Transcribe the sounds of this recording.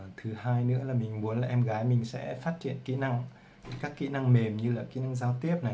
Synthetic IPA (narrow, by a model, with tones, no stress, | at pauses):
t̪ʰɨ˨˦haː˧jnɨ̰˧˥əlaː˨˩mï˨˩ŋ̟mu˨˦ənlaː˨˩ʔɛ˧mɣaː˨˦jmï˨˩ŋ̟sɛ̰˧˥faː˦˥t̚t͡ɕḭ˧˨ənkḭ˧˥na˧ŋ˨˩ | kaː˦˥kːḭ˧˥na˧ŋme˨˩mɲɨ˧laː˨˩kḭ˧˥na˧ŋzaː˧wt̪i˦˥əp̚na˨˩j